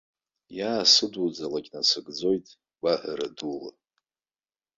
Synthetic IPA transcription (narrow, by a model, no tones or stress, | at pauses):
jaːsɨdud͡zalakʲʼnasɨɡd͡zo̞jtʼ | baħʷaɾadula̰